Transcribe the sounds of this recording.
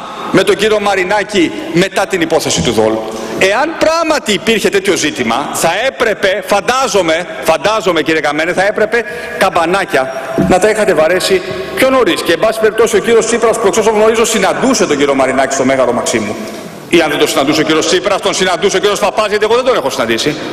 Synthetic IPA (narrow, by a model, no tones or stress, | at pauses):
me̞t̪oɲɟiɾio̞mɐɾinɐcime̞t̪ɐt̪inipo̞θe̞sit̪uðo̞̰loe̞ɐnpɾɐɣmɐt̪iːpiɾçe̞t̪e̞t̪ço̞zit̪imɐθɐe̞pɾe̞pe̞fɐnd̪ɐzo̞me̞ | fɐnd̪ɐzo̞meciɾiekɐme̞neθɐe̞pɾe̞pe̞ | kɐbɐnɐcɐnɐt̪ɐixɐt̪e̞vɐɾe̞si | pço̞no̞ɾisceːmbɐsi̥pe̞ɾip̚t̪o̞sio̞ciɾiost̪sipɾɐspue̞ksosoŋɣno̞ɾizo̞sinɐnd̪use̞t̪oɲɟiɾiomɐɾinɐci̥st̪o̞me̞ɣɐlo̞mɐksimu | iɐnðed̪osinɐnd̪useociɾio̞ssipɾɐst̪o̞nsinɐnd̪useociɾio̞spɐpɐzʝet̪eɣo̞ðe̞d̪oexo̞sinɐnd̪isi